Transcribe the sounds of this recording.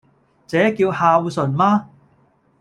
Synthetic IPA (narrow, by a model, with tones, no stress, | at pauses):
t͡sɛː˨˥kiː˧whaː˧wu˧sɵ˨˩nmaː˧˥